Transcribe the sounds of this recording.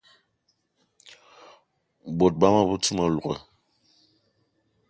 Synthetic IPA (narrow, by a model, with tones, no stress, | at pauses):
bo˨t̚ba˦ma˦bu˦tu˦ma˨lu˨ɣɛ̰˨